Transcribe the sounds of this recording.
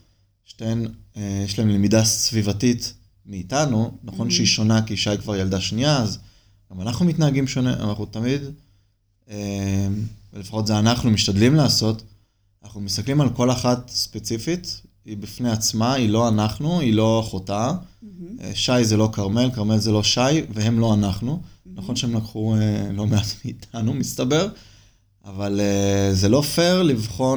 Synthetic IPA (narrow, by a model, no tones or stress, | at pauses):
ʃtenejeʃlaemlemidasvivatit | meːtanunaχo̞nʃeiʃo̞nakiʃajkvaʁjaldaʃniaːz | ɡamanaχnumitnaːɡimʃo̞neʔa̰naχnut̪amid̪ | emvelefaχo̞tzeanaχnumiʃtadlimlaːso̞t | anaχnumist̪aklimalko̞laχatspe̞t͡sifit̪ | ibifne̞at͡smailo̞anaχnuilo̞aχota | ḛʃajzelo̞kaʁmelkaʁme̞lze̞lo̞ʃajveɦe̞mlo̞anaχnunaχo̞nʃeemlakχuelo̞meatmiːtʰanumist̪abe̞ʁ | avaleze̞lo̞feʁlivχo̞